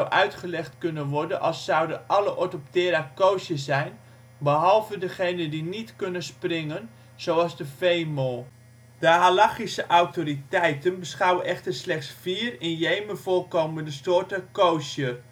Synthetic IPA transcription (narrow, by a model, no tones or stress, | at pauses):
wʔœɥtχəlɛχtkɵnənʋɔrdənʔɑlˠsːɑwdəʔɑləʔɔtop̚tɪːɾakowsjəsɛjn | bəɦɑlˠvədəχejnəndinitkɵnənsprɪŋən | z̥owɑlˠzdəfejmoː | d̥əɦalaχisəʔawtoritɛjtənbəsχɑwənɛxtərslɛχtsfiːrɪnjejməvoːlkoːməndəstoːtəkowsjə